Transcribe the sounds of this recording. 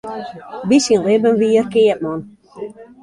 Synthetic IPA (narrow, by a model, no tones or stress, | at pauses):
bisinlɪbənʋiərkeət̚mɔn